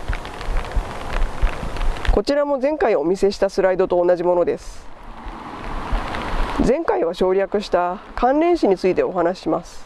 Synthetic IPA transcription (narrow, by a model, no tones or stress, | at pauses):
ko̞t͡ɕiɾamo̞zẽ̞ŋkaio̞mʲise̞ɕi̥t̪asɨɾaid̪o̞t̪o̞ːnaʑimo̞no̞d̪e̞sɨ̥ | zẽ̞ŋkaiβaɕo̞ːɾʲakɯ̟ɕi̥t̪akãnɾẽ̞ɰ̃ɕiɲ̟it͡sɨit̪e̞o̞ɦanaɕi̥ɕimasɨ̥